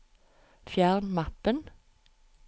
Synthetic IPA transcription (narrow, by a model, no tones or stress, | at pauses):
fjæːʁnmɑpən